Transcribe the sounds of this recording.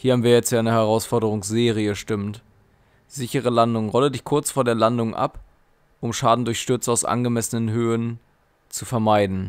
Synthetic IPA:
hiɐhaːbm̩viːɐjɛt͡stjaɪnəhɛʁ̞aʊsfɔɐdəʁ̞ʊŋsz̥eːʁ̞iəʃtɪmt | z̥ɪçəʁ̞əlandʊŋəʁɔlədɪçkʰʊɐt͡sfoːɐdeːɐlandʊŋʔa̰p | ʔʊmʃaːdn̩dʊɐçʃtʏɐt͡saʊsʔa̰nɡəmɛsənənɦøːən | t͡sufɛɐmaɪdn̩

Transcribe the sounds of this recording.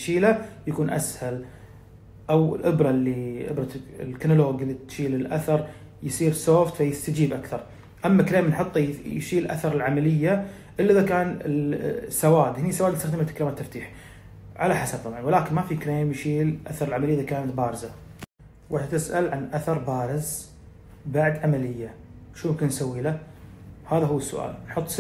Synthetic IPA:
ʃiːlajakuːnʔa̰shal | ʔawɪ̰lʔɪbɾˤɑlːiʔɪ̰bɾˤɑɪlkanʊloːɡɪlːit̪ʃiːlɪlʔa̰θɑɾˤ | jsˤiːɾsoːft̪fajɪst̪ad͡ʒiːbʔakθɑɾˤ | ʔamːakleːmnħɨt̪ˤːʃiːlʔa̰θɑɾˤɪlʕamalɪjːa | ʔɪlːiʔɪðakaːnɪsːawaːd̪hɪnisːawad̪st̪axd̪ɪmat̪ːkɾeːmat̪ːaft̪iːħ | ʕalaħasab̚t̪ˤɑbʕɑnwɪlaːkɪnmafikɾeːmjʃiːlʔa̰θɑɾˤɪlʕamalɪjːʔɪðakaːnat̪baːɾɪza | wʔaat̪ɪsʔalʕanʔaθɑɾˤbaːɾɪz | baʕd̪ʕamalɪjːaʃuːjɪmkɪnːsawːiːla | haːðaɦʊwːɪsːʊ̰ʔa̰ːlnħʊt̪ˤːs

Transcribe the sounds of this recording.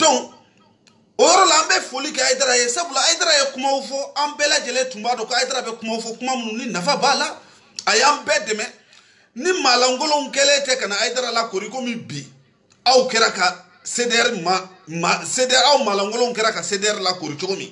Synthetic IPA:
d̥ɔ̃ | ojɔɾɔlaãmbɛfolikɛajidaɾajesabulaːjidaɾajekumaufɔãbɛːlad͡ʒɛlẽtũmbaːdɔ̃koajid̪aɾabɛkumaufɔkumamĩnũninafabala | ajãbɛːdɛmɛ | nimalãŋɡolõũkɛlẽtɛkanaajidaɾalakoɾikomĩbi | aukɛɾaka | sedɛɾima | masedɛɾaumalãŋɡolõuk̬ɛɾakasedɛɾilakoɾit͡ʃoɡomḭ̃

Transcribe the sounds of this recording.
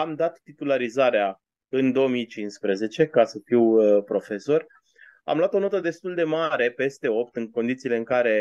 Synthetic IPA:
amd̪at̪ːit̪ulaɾizaɾea | ɨnd̪o̞omijt͡ʃinspɾeze̞t͡ʃe̞kasəfiwpɾo̞fe̞so̞rʲ | a̰mlowat̪o̞no̞t̪əd̪e̞st̪uld̪e̞maɾe̞pe̞st̪e̞o̞p̚t̪ɨŋko̞nd̪it̪siːle̞ɨŋkaɾe̞

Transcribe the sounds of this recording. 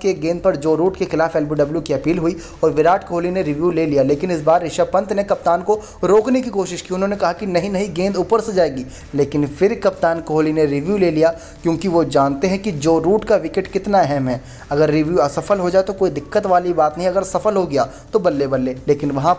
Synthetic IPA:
keɡẽːnd̪̚pɐɾd͡ʒoːɾuːʈkexɪlaːfɛːlbiɖɐbljukiɐpiːlɦui | ɔːɾʋɪɾaːʈʰkoɦoːlineɾɪʋjuːleːlijaleːkɪnɪs̬baːɾːɪʃapɐ̃nt̪nekɐp̚t̪aːnko | ɾoːknekikoːʃɪʃkiʊnɦõnekɐɦakinɐɦĩnɐɦĩɡẽːnd̪uːpəɾsed͡ʒaːeːɡiː | leːkɪnfɪɾkɐpt̪aːnkɐɦolineɾɪʋjuleːlija | kjõːkiʋod͡ʒaːnt̪eɦɛ̃kid͡ʒoːɾuːʈkaʋɪkeʈkɪt̪naɛɦɛmɦɛː | ɐɡəɾːɪʋjuɐsɐfəlɦod͡ʒaːet̪okoːid̪ɪkːət̪ʋaːlibaːt̪nɐɦĩɐɡəɾsɐfəlɦoɡɐjaː | t̪obɐlːebɐlːeːleːkɪnʋɐɦã

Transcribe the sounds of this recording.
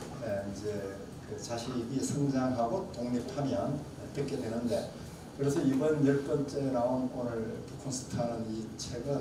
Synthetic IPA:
eid͡ʑe̞ | kɯt͡ɕaɕʰinisʰɯŋd͡ʑaŋɦaɡotoŋɲip̚ʰamiʌn | et͈ek͈edwe̞nɯnde̞ | kɯɾe̞sʰʌibʌnjʌɭk͈ʌnt͡ɕ͈eɾaonk͈wʌnɯɭpukʰonsʰɯ̥tʰanɯnit͡ɕʰe̞ɡɯn

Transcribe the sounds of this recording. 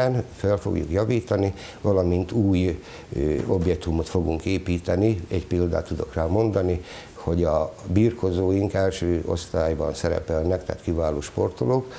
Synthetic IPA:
nfølfo̰ɡjṵkjɒviːt̪ɒni | vɒlɒmint̪uːj | objɛk̚t̪umo̞t̪fo̞ɡuŋkeːpiːt̪ɛniɛɟpild̪a̰ːt̪ːud̪o̞̰kraːlmo̞nd̪ɒni | ho̞ɟɒbiːrko̞zoːjiŋkɛlʃøːʔo̞̰st̪aːjbɒnsɛɾɛ̰pɛlnɛkt̪a̰ːt̪kivaːloːʃpo̞rt̪oloːk

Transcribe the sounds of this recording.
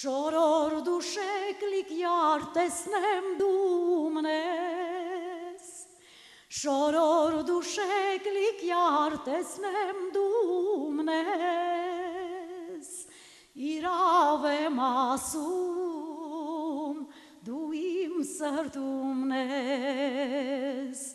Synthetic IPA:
ʃoɾoɾud̪uʃɛklikjaɾt̪ɛsnɛmd̪umnɛ | s | ʃoɾoɾud̪uʃɛklikjaɾt̪ɛsnɛmd̪umnɛ | s | iɾaʋɛmɑsu | m | d̪uimsəɾd̪umnɛ | s

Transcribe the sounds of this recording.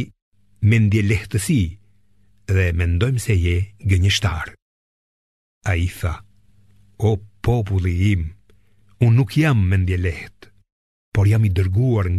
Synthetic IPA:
mɛnd̪jɛlɛht̪əsi | ðɛmɛnd̪ɔjmsɛjɛɡəɲəʃt̪aɾ | aiθa | ɔpɔp̬ulˠiim | unːukjamːɛnd̪jɛlɛht̪ | pɔɾjamid̪əɾɡuaɾŋ

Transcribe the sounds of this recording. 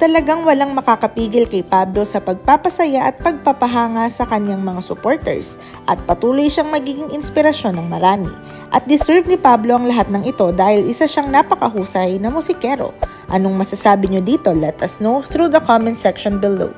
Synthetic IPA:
t̪ɐlɐɡaŋwɐlaŋmɐkakɐpiːɡɪlkɐjpaːblo̞sɐpɐɡ̚paːpɐsɐjaʔɐt̪̚pɐɡ̚pɐpɐɦaːŋasɐkɐɲaŋmɐŋasʊpoɹt̪ɛ̰ɹs | ʔɐt̪̚pɐt̪uːlojʃaŋmɐɡiːɡɪŋʔɪnspɪɾɐʃo̞nɐŋmɐɾaːmɪ̰ | ʔɐt̪̚d̪ɪsɛɹvnɪpablo̞ʔɐŋlɐɦat̪̚nɐŋɪt̪o̞d̪aːhɪlʔɪsaʃaŋnapɐkɐɦuːsɐjnɐmʊsɪkɛɾo̰ | ʔɐno̞ŋmɐsɐsaːbɪɲod̪iːt̪o̞lɛt̪ɐsnoθɾud̪ɐkʰamɛ̃nsɛkʃonbɪld̪o̰

